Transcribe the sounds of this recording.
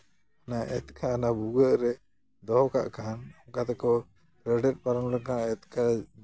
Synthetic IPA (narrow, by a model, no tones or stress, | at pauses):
anaʔɛ̰t̪kʰaːnabuɡəʔɾɛ | d̪ɔɦka̰ʔkanamkat̪ɛkɔ | ɾɛɖɛt̪̚ˀpaɾɔnɾɛkanaɛt̪ka